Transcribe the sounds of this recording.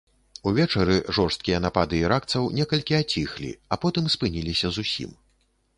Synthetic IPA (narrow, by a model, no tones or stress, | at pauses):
uvʲɛt͡ʂɐɾɨʐɔrst̪̚kʲijɐnapad̪ɨiɾakt̪sɐwnʲɛkɐlʲkʲiat͡sʲixlʲḭapɔt̪ɨmspɨnʲilʲisʲɐzusʲḭm